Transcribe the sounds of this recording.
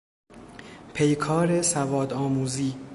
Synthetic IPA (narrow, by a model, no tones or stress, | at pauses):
pʰe̞jkʰɒːɾe̞sævɒːd̪ɒːmuːziː